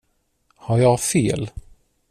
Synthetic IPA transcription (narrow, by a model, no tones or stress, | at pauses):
haɾjɑfeːl